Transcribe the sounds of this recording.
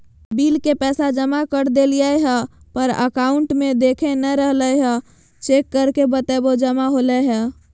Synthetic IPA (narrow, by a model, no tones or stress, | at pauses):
bilkepɛːsad͡ʒəmakəɾd̪elijaeɦɛ | pəɾə̰kaʊɳʈmed̪ekʰenəɾəɦləjɦɛ | t͡ʃekːəɾkebət̪ɛbod͡ʒəmaɦolɛɦɛ